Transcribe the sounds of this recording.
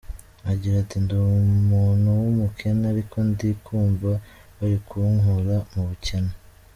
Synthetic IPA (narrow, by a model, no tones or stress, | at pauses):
aɡiːɾatindumuːnhuwumukʰenaɾikʰo̞ndikʰuːmva | waɾikʰuŋuɾamuβucena